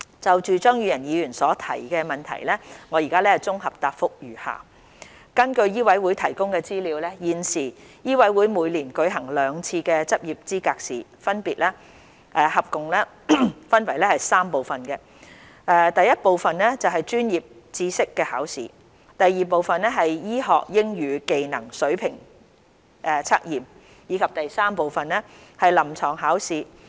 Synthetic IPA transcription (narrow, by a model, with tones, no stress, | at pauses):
t͡sɐ˨wt͡ʃyː˨t͡ʃœː˥ŋjyː˨˧jɐ˨˩njiː˨˧jyː˨˩nsɔː˨˥t̪ʰɐ̰˨˩jkɛː˧mɐ˨nt̪ʰɐ̰˨˩jlɛː˥ŋɔː˨˧ji˨˩kaː˥lɛ˥hɐ˨jt͡sʊ˥ŋɦɐ˨p̚t̪aː˧k̚fʊ˥k̚jyː˨˩ha̰ː˨˩ | kɐ˥nkɵ˧ɥjiː˥wɐ˨˥jwuː˨˥jt̪ʰɐ˨˩jkʊ˥ŋkɛː˧t͡siː˥liː˨˧wlɛː˥jiː˨nsiː˨˩jiː˥wɐ˨˥jwu˨˥jmuː˨˧jliː˨˩nkɵ˨˧ɥɦɐ˨˩ŋlœː˨˧ŋt͡sʰiː˧kɛː˧t͡sɐ˥p̚ji˨p̚t͡siː˥kaː˧k̚siː˨fɐ˥npiː˨t̚lɛː˥ | ʔɛː˨˧hɐ˨p̚kʊ˨ŋlɛː˥ | fɐ˥nwɐ˨˩jlɛː˥hɐ˨jsaː˥mpo˨wfɐ˨nkɛ˧ | ʔɛː˧t̪ɐ˨jɐ˥t̚po˨wfɐ˨nlɛ˥t͡sɐ˨wɦɐ˨jt͡ʃyː˥njiː˨p̚ | t͡siː˧˥sɪ˥kːɛː˧haː˨˥wsḭː˨˩ | t̪ɐ˨jːiː˨˩p̬o˨wfɐ˨nlɛ˥ɦɐ˨jjiː˥ɦɔ̰ː˨k̚jɪ˥ŋjyː˨˧ke˨jnɐ˨˩ŋsɵ˨˥ɥpʰɪ˨˩ŋ | ʔɛː˨t͡sʰaː˥k̚jiː˨m | jiː˨˧kʰɐ˨p̚t̪ɐ˨jsaː˥mpo˨wfɐ˨nlɛː˥hɐ˨jlɐ˨˩mt͡sʰɔː˨˩ŋɦaː˨˥wsiː˨